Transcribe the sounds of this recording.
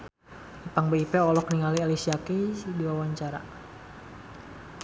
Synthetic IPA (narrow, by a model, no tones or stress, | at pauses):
ipaŋbaipɛɔlɔk̚niŋalialisiakidiwawaɲt͡ʃaɾa̰